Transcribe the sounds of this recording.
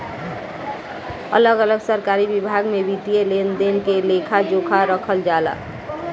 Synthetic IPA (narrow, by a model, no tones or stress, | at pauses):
ə̰ləɡələɡsəɾkaːɾibibʱaːɡmẽbit̪ijelend̪eːnkeleːkʰad͡ʒoːkʰaɾəkʰəld͡ʒaːla̰ː